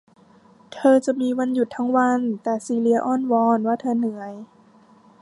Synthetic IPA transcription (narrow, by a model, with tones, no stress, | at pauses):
t̪ʰɤː˧t͡ɕa˨˩miː˧˥˨wa˧˥nju˨˩t̪ʰːa˧˥ŋwa˧˥nt̪ɛː˨˩siː˧˩li˧ɐ˧ʔɔː˧˥˩nwɔː˧˥nwaː˧˥˩t̪ʰɤː˧nɯ˨˩˦əj